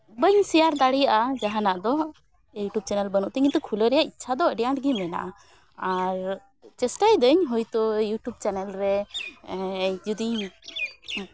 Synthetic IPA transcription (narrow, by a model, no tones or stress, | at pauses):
bəɲsɛjaɾd̪aɽijaʔad͡ʒaɦanaʔd̪ɔ | juʈub̚t͡ʃɛnɛlbənuʔt̪əɲit̪ɔkʰuləɾɛjaʔitːʃʰad̪ɔəɖɛjaʈɡimɛna̰ʔa | aɾ | t͡ʃɛsʈajd̪əɲɦɔjt̪ɔjuʈub̚t͡ʃɛnɛlɾɛ | d͡ʒud̪iɲ